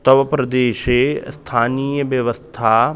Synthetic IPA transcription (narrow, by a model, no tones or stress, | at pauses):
t̪ɐʋɐpɾɐd̪eːʃest̪ʰaːniːjəʋjɐʋəst̪ʰa